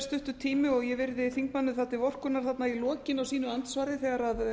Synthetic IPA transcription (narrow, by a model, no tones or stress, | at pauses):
st̪ʏht̪ʏt̪ʰiːmɪɔɣjɛvɪɾðɪθiŋkmanːʏθat̪ːɪvɔr̥kʏnaɾ̥θat̪nailɔːcɪnawsiːnʏant̪svaɾðɪθɛːɣaɾað